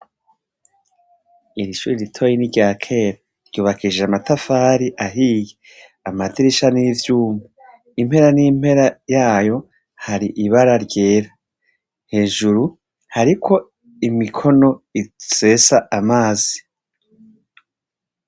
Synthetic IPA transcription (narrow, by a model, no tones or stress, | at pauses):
iɾiʃuːɾiɾitʰo̞jiniɟaːkʰe̞ːɾa | ɾɟuːβakʰiʒeamatafaːɾiʔaɦiːje | amatiɾiʃaniːvjuːmu | imhe̞ɾaniːm̥e̞ɾajaːjo̞ | haɾiʔiβaɾaɾɟe̞ːɾa | he̞ːʒuɾu | haɾikʰo̞ | imikʰo̞no̞ise̞ːsaʔamaːzi